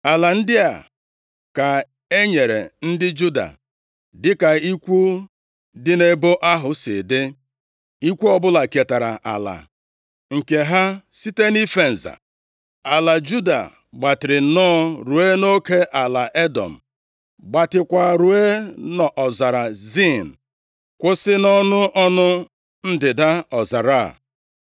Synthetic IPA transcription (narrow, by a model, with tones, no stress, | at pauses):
a˨la˨n̩˦dɪ˦a˨ | ka˨ | e˦ɲe˨ɾḛ˨n̩˦dɪ˦d͡ʒu˦da̰˨ | dɪ˦ka˨i˦kʷu˦ | dɪ˦ne˦bo˦ʔa˦ɦʊ˨sɪ̰˨dɪ˦ | i˦kʷu˦ɔ˦bʊ˦la˨ke˨ta˨ɾa˨ʔa̰˨la̰˨ | ŋ̩˨ke˨ɦa˦si˦te˦ni˦fe˦n̩˨za̰˨ | a˨la˨d͡ʒu˦da̰˨ | ɡ͡ba˨tɪ˨ɾɪ˨˦nɔː˦ɾu˨e˦no˦ke˦ʔa˨la˨ʔe˦dɔ̰˨m̩˨ | ɡ͡ba˨tɪ˨kʷa˨ɾu˨e˦nɔ˨ʔɔ˨za˨ɾa˨zi˦˨n̩˨ | kʷʊ˦sɪ˦nɔ˦nʊ˦ʔɔ˦nʊ˦ | n̩˦dɪ˨da˦ɔ˨za˨ɾa˦˨